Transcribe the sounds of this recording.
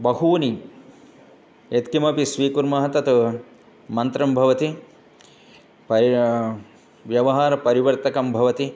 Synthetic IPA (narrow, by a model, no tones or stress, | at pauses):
bɐɦuːni | et̪kimɐpisʋiːkuɾmɐɦɐt̪ɐt̪u | mɐnt̪ɾɐmbʱɐʋɐt̪i | pɐ | ʋjɐʋɐɦaːɾɐpɐɾiʋɐɾt̪ɐkɐmbʱɐʋɐt̪i